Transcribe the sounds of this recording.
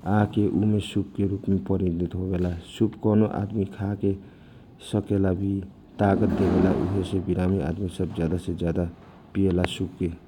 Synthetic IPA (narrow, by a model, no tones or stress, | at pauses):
akeʔumesupkeɾupmepəɾid̪it̪ɦobelasubkɔnoʔa̰d̪mikʰake | səkelabʱi | t̪aɡət̪̚d̪ebelaʔṵɦesebiɾamia̰d̪misəbd͡ʒjad̪ased͡ʒjad̪a | pielasup̚ke